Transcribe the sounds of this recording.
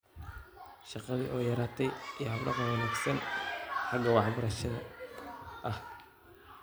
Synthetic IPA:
ʃɑqɑðiʔɔːjɐɾaːt̪ʰɛjijɦɐbɖɑ̰qɑnwɐnaːɡsɐnħɑɡɐwɑħbɐɾɐʃɐðɐ̰ | ʔɐh

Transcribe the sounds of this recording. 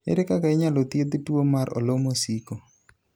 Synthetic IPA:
ɪ̰ɾɪkakaɪɲalot̪jed̪ɪtwomaɾo̰lomosiko

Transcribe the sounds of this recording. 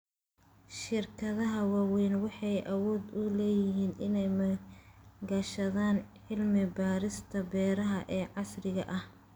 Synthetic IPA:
ʃɪrkʰɐðɐɦɐwɑːwɛjnwɑħɑjʔɐwɔːd̪ʊlɛːjɪɦiːnʔɪnɛjmɐ | ɡɐʃɐðaːnʕɪlmɪbaːɾɪst̪ʰɐbɛːɾɐɦɐʔɛːʕɑsrɪɣɐʔɐh

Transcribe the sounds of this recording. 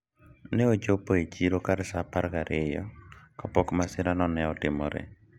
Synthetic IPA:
neod͡ʒopoet͡ʃiɾokadsapaɾɡaɾɪjɔkapɔkmasɪɾanɔnɛɔtɪmɔ̰ɾɛ̰

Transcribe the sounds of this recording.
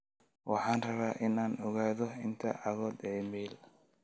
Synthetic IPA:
wɑ̰ħɑːnrɐβaːʔɪnaːnɔɣaːðɔɪnt̪ʰɐ̰ʕɑɣɔːd̪ɛːmɛːl

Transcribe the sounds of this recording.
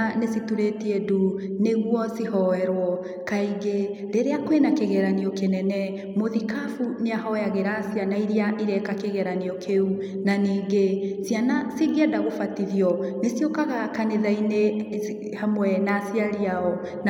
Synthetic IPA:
nesituɾetieduneɣwɔsihɔɛɾwɔ | kaiɡe | ɾeɾeakoenakeɣɛɾaniɔkenɛnɛ | moðikafumeaɦɔjaɣeɾasijanaiɾiaʔiɾɛkakeɣɛɾaniɔkʰeu | naniːɡesianasiɣiadaɣofatiðijɔnesiokaɣakaneðaine | hamwɛnasiaɾiaɔ | n

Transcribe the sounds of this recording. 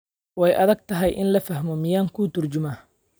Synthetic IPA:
wɛjʔɐðɐɡ̚t̪ʰɐɦɛjʔɪnlɐfɐɦmɔmɪjaːŋkʰuːt̪ʰʊrd͡ʒʊmaː

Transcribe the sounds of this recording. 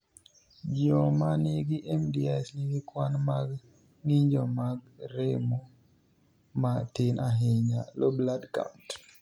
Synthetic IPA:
d͡ʒɔmaniɡiʔɛmdiasniɡikwanmaɡ | ŋiɲd͡ʒɔmaɡ | ɾemo | matinaɦeɲalɔbladka̰wt

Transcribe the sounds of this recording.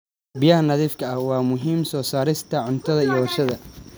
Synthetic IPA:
bɪjɐhɐnɐðiːfkʰɐɐhwɑːmʊɦiːmsɔːsaːɾɪst̪ʰɐʕʊnt̪ʰɐðɐijɐwɐrʃɐðɐ

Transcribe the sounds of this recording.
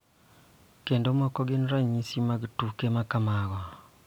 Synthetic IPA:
kendomɔkɔɡenɾaɲisimaɡtukemakamaɣɔ

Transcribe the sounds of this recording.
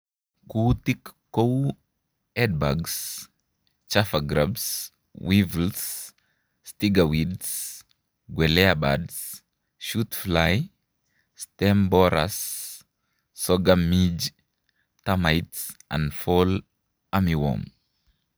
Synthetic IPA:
kutikː | ow | ɛd̚baɡs | t͡ʃafaɡɾabs | wivls | stiɡawids | ɡwɛlɛaba̰ds | ʃutflaj | stɛmbɔɾa̰s | ɔɡamid͡ʒ | tamajtsʔã̰nfɔl | amiwɔ̰m

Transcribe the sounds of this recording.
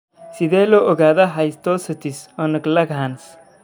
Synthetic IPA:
sid̪eloʔoɡaːd̪aɦajst̪osət̪isonəklɐɡɦans

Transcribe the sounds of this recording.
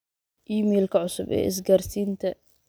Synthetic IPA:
ʔiːmɛːlkʰɐʕʊsʊbɛ̰ːɪs̬ɡaːrsiːnt̪ʰɐ

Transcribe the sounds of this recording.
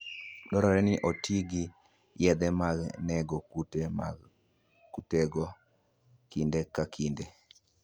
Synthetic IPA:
dɔɾɔɾɛnɪʔotiɡɪ | jɛd̪ɛmaɡnɛɡɔut | kuteɡɔ | kindekakʰinde

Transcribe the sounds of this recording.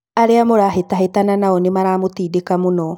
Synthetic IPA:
aɾeamoɾaɦetaɦetananaɔnemaɾaːmotiːdekamonɔ

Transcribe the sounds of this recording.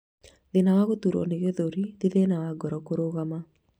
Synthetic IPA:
ðɪnawaɣot̪uɾo̰neɡeðoɾid̪iðenawaɡɔɾɔkoɾoɣama

